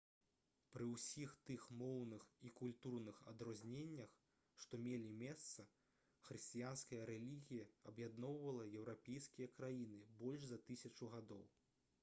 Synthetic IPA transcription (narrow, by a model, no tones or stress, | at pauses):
pɾɨwsʲixt̪ɨxmɔwnɨxikulʲt̪urnɨxɐ̰d̪ɾɔzʲnʲenʲːɐx | ʂt̪ɔmʲelʲimʲɛst̪sɐ | xɾɨsʲt͡sʲijanskɐjɐɾɛlʲiɣʲijɐɐbjad̪nɔwvɐlˠɐjɛwɾapʲejskʲijɐkɾajinɨbɔlʲʐzɐt̪ɨsʲɐt͡ʂuɣad̪ɔw